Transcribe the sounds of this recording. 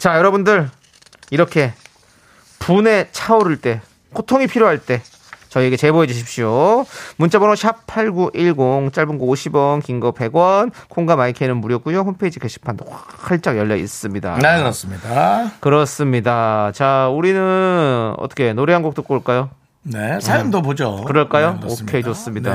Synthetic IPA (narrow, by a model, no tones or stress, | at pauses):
t͡ɕajʌɾʌbundɯɾ | iɾʌkʰe̞ | pune̞t͡ɕʰaoɾɯɭt͈e̞ | kʰotʰoŋipʰiɾjoɦaɭt͈e̞ | t͡ɕʌieɡe̞t͡ɕe̞boe̞d͡ʑuɕ̬ʰip̚ɕ͈iomunt͡ɕʰabonoɕʰapʰaɭɡuʔiɭɡoŋt͡ɕ͈aɭbɯnɡooɕʰibwʌnkiŋɡʌpe̞ɡwʌnkʰoŋɡamaikʰenɯnmuɾjʌk͈ujoɸonpʰeid͡ʑikeɕʰi̥pʰandoa | hʰaɭt͡ɕ͈aɡjʌʎːaḭs͈ɯmɲida̰nekɯɾʌs͈ɯmɲidakɯɾʌs͈ɯmɲidat͡ɕauɾinɯnnʌ̰t͈ʰʌ̥kʰe̞noɾeɦanɡok̚t͈ok͈oɭk͈ajo | nesamdopod͡ʑokɯɾʌɭk͈ajookʰed͡ʑos͈ɯmɲida